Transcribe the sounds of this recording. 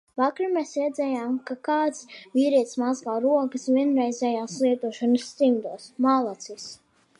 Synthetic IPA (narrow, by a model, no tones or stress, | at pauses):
vakɾimɛsɾɛd̪zʲɛjaːmkakaːt̪svʲiːɾiɛt̪smazɡaːɾuɔkəsvʲiɛnɾɛjzʲɛjaːslˠiɛt̪uɔʃanɨsːt̪imd̪uɔsmalˠat̪sis